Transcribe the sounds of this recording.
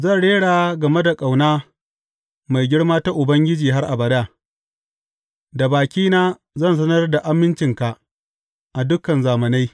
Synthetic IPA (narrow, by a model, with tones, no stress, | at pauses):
zɐ˦˨nɽeː˦ɽaː˨ɡɐ˨me˦da˨kʼa˨wnaː˦ | ma˨jɡʲɪ˦ɽmaː˦ta˦ʔʊ˨bɐ˦ŋɡʲɪ˦d͡ʒiː˨ɦa˦rʔa˨bɐ˨daː˦˨ | da˨baː˨kʲiː˦naː˦ | zɐ˦˨ns̬ɐ˦nɐ˦rda˨ʔa˦mːɪ˦nt͡ʃɪ˨ŋka˨ʔ | ʔa˨dʊ˦kɐ˨nzaː˨mɐ˨na˦j